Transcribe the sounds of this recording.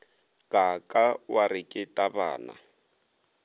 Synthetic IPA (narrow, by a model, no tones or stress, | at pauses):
kʼakʼawarɪkʼɪtʼaba̰ːna̰